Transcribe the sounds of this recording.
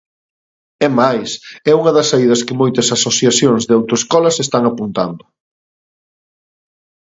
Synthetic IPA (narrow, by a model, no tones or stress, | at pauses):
ɛmajsɛuŋɐðɐsaiðɐskɪmojt̪ɐsasoθjaθjoŋzðeawt̪oeskɔlɐsest̪aŋapunt̪and̪ʊ